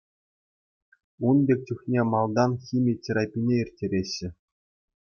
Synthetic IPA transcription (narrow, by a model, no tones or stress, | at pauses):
unbʲek̚ʲt͡ɕuxʲnʲemɑlˠd̪ɑnxʲimʲitʲiɾɑpʲinʲeirʲtʲːeɾʲeɕːɘ̆